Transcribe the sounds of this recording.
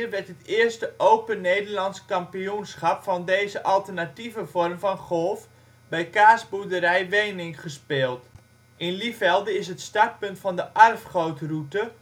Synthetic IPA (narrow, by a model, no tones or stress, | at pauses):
əʋɛrtətɪərstəʔowpənejdərlɑnskɑmpijunsχɑpfɔndeːzəʔɑlˠtərnativəvɔrmfɔnχɔlˠf | bɛjkaːsbudəɾɛjʋejnɪŋχəspɪːlˠt | ʔɪnlifɛlˠdəɪsɦətstat̚pɵntfɔndəʔarfχowtrutə